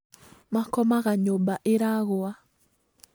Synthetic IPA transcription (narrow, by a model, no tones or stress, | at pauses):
makɔmaɣaɲobaʔeɾaɣoa